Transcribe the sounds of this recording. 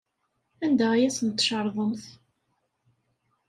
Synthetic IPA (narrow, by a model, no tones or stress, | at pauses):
ænd̪æjæsənt̪ːʃɑɾˤðˤəmθ